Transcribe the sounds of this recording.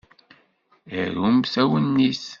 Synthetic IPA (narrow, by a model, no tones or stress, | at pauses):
əɾumsæwənːis